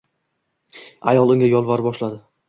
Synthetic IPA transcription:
a̰jɒlˠɪŋʲajɒlˠvaɾbɒʃlad̪ɪ

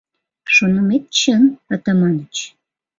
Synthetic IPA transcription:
ʃonəmet̪̚t͡ɕənət̪əmɑnət͡ɕ

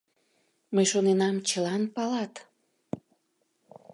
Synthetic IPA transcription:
məjʃonenɑmt͡ɕəlɑnpɑlɑt̪

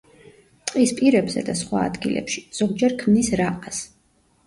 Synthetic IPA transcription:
t̪sʼqʼispʼiɾɛbzɛ̰d̪asχwa̰ːd̪ɡḭlɛ̰pʃi̥z̥ɔɡ̚d͡ʒɛɾkʰmnisɾaqʼas

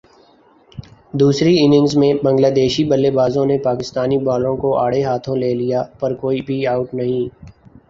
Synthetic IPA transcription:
d̪uːsɾiɪːnɪ̃ŋɡzmẽbɐ̃ŋɡlaːd̪eːʃibɐlːebaːzõnepaːkɪst̪aːnibaːlõkoʔaːɽeɦaːt̪ʰõleːlijapɐɾkoːibʱiaːʊʈnɐɦĩː

